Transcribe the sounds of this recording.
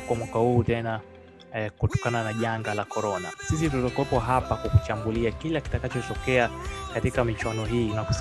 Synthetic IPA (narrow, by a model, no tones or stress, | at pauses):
kwamwakahuːtɛna | kutɔ̥kananaʄaŋɡalakɔɾɔnasis̬itutɔkwɛpɔɦapakwakut͡ʃambuliakilaki̥takat͡ʃɔtɔkɛakatikamit͡ʃwanɔɦiːnaku̥s